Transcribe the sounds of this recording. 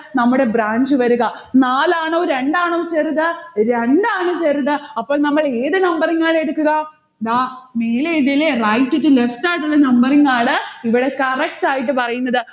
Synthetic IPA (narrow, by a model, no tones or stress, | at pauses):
nɐmːuɽe̞braːɲd͡ʑɨʋɐɾuɣɐnaːlaːɳoːɾeɳɖaːɳoːt͡ɕeːriðɨɾeɳɖaːɳɨt͡ɕeːriðɨɐpːo̞ːɭnɐmːɐɭeːðɨnɐmbɐriŋːaːɭe̞ɽukːuɣɐ | iðaːme̞ːleiðilerɐjtːutːɨlefʈaːʈːuɭːɐnɐmbɐriŋːaːɭɨiʋiɽe̞kɐrek̚ʈaːjiʈ̬ːɨpɐrɐjunːɐðɨ